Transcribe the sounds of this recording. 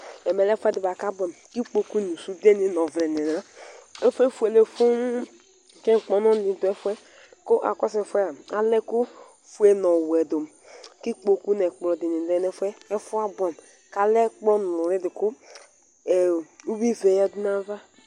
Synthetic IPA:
ɛ˨mɛ˨lɛ˦fɛ˦di˨ba˨ka˦bɔ˨mki˦k͡po˨ku˦nu˨su˦de˦ni˦nɔ˨vlɛ˨ne˨n˨ɾa˦e˦fe˦fu˨˦e˨le˨fu˦n˦˨ | kɛ˦˨k͡pɔ˨˦nɔ˦i˨du˨ɛ˦fɛ˦ | ko˦ʔa̰˨kɔ˦sɛ˨fu˦ɛ˦a˨a˨lɛ˦ku˦ | fu˨˦e˨nɔ˨wɛ˨do˨m | ki˦k͡po˨ku˦nɛ˨k͡plɔ˨di˨ni˨dɛ˦nɛ˦fɛ˦ɛ˦fu˦a˦bɔ˨m | ka˨lɛ˦k͡pɔ˦n˨u˨ɾi˦dɪ˨ku˦˨ | u˦bi˦ve˨ja˦du˦na˦va˦

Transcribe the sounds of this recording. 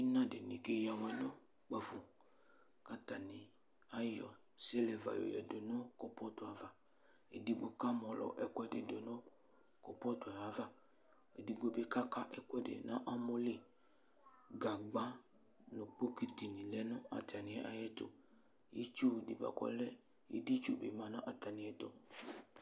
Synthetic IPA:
i˦nã˦de˨nĩ˨ke˦ja˨wɛ˨nɔ̃˦ | k͡pa˨fu˨ | ka˦ta˨nĩ˨ | a˦jɔ˨ | sɛ˦lɛ˨va̰˨jo̰˨jɛ̰˨do˨nɔ̃˦kɔ˨pɔ˦t̪o˨a˨va˨ | ḛ˨di˦ɡ͡bo˦ka˦mɔ̃˨lɔ̰˨ʔɛ˦kwɛ˦dḛ˨do˨nɔ̃˦ | kɔ˨pɔ˦to˨a˨ja˨˦va˦ | e˨di˨ɡ͡bo˦be˦ka˦ka˦ʔɛ˦kʷɛ˦dḛ˨nã˦ʔa˦mo˦le˦ | ɡa˨ɡ͡ba˦ | no˨k͡po˦ki˨ti˨nĩ˨lɛ˦nʊ˦a̰˨ta˨nɪ̃˨ɛ˨ʔa̰˦jɛ˦to̰˨ | ji˦t͡ʃu˦˨di˨ba̰˨kɔ̰˦lɛ˦ | ḭ˦di˦t͡ʃu˦˨be˨mã˨nɔ̃˦ʔa˨ta˨nĩ˨ɛ˨to˨

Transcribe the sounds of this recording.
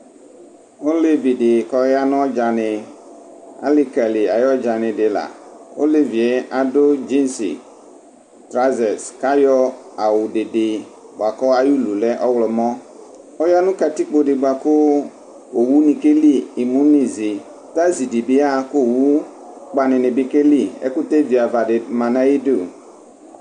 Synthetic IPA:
o˦le˦vi˨dɪ˨kɔ˨˦a˦n˦ɔ˦d͡ʒa˨nɪ̃˨ | a̰˨lɪ˨ka˨lɪ˨a˨jɔ˦d͡ʒa˨nɪ̃˨dɪ˨la̰˨o˦le˦vi˨e˦a˨dʊ˦d͡ʒi˦n˦sɪ̰˨ | tɾa˦zɛ˨ska˦jɔ˦a˨wʊ˨dɪ˨dɪ˨ | ɡ͡ba˨kɔ˦a˦ju˦lu˨lɛ˦ʔɔ˦wlɔ˨mɔ̃˦ | ɔ˦ja˦nʊ̃˦ka˨ti˦k͡po˨dɪ˨ɡ͡ba˨kʊ˦ | o˨wu˦nĩ˨ke˦li˦i˨mũ˦ni˨zɪ˨ | ta˦zi˨di˨bɪ˦a˦kʊ˦˨wu˦ | k͡pa˨nɪ̃˨nɪ̃˨bɪ˦ke˦li˦ḛ˦kʊ˦te˦vi˨a˨va˨dɪ˨mã˨nã˦ji˦do˨

